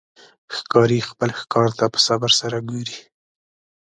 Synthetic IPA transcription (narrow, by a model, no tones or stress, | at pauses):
xkɑɾixpəlxkɑɾt̪apə̥sabaɾsaɾaɡoɾi